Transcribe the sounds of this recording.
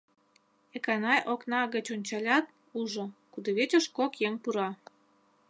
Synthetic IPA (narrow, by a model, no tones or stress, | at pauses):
ekɑnɑjʔoknɑɣə̆t͡ɕonʲt͡ɕɑlʲɑt̪̚ | uʒokud̪oβet͡ɕʲə̆ʃkokjeŋpuɾɑ